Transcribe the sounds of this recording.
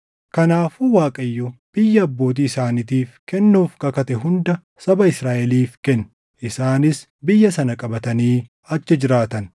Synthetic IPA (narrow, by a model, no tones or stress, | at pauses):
kɐnaːfuwaːkʼɐjːɔb̥ɪjːɐːbːo̞ːt̪̬iːɪsaːnɪt̪iːfkɛnːuːfkɐkɐt̪ɛɦʊnd̪ɐ | sɐbɐɪsɾaːʔɛliːfkɛnː | ʔɪsaːnɪs | bɪjːɐsɐnɐkʼɐbɐt̪ɐniː | ɐt͡ʃːɛd͡ʒɪɾaːt̪ɐn